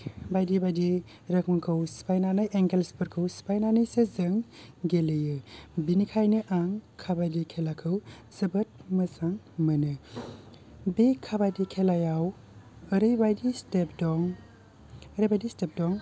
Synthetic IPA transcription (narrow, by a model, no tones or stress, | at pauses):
bajdibajdi | ɾɐk̚mɐkʰɯwspajnanajʔeŋɡelspɯɾkʰɯwspajnanɐjsezɯŋɡelejɯbinikʰajnɯʔaŋkʰabajdikʰelakʰɯw | zɐbɐt̚mɐsaŋ | mɐnɯ | bekʰabajdikʰelajaw | əɾɯjbajdistep̚dɔŋ | əɾɐjbajdistep̚dɔŋ